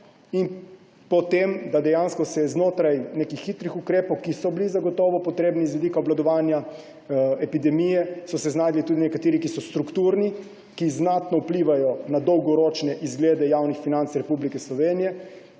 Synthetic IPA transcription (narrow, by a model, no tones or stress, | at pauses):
in | pɔt̪emd̪ad̪ɛjanskɔsɛɛznoːt̪ɾajneːkixːit̪ɾixukɾeːpɔwkisɔblizaɡɔt̪ɔːʋɔpɔt̪ɾeːbnizʋɛd̪ikaɔblad̪ɔʋaːnja | ɛpid̪ɛmijɛsɔsɛznaːd̪lit̪ud̪inɛkat̪eːɾikisɔst̪ɾukt̪uɾni | kiznat̪nɔupliːʋajɔnad̪ɔwɡɔɾoːt͡ʃnɛʔizɡleːd̪ɛjawnixfinant̪sɾɛpublikɛslɔʋeːnijɛ